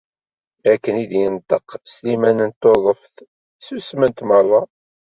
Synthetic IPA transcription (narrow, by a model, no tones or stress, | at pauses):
ækːənid̪jənt̪ˤəqslimænənt̪oðˤəfθ | susmənt̪mərˤːɑ